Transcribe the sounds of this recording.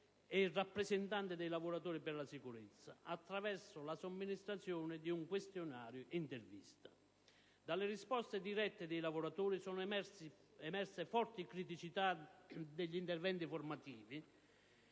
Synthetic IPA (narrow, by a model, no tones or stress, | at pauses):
eirːapːɾesɛnt̪ant̪ɪd̪ejlavʊɾat̪uːɾipɪrlasikuɾɪt̪sːaat̪ːɾavɛrsʊlasomːinist̪ɾat̪sjɔːnɪd̪iuŋkwest̪jʊnaːɾjʊʔint̪ervḭst̪ḁ | d̪alːɪɾispɔst̪ed̪iɾɛt̪ːed̪ejlavʊɾat̪uːɾisɔːnʊ | ɛmɛrsefɔrt̪ɪkɾit̪̬it͡ʃit̪ad̪eʎːint̪ɛrvɛnt̪ifʊrmat̪iːvi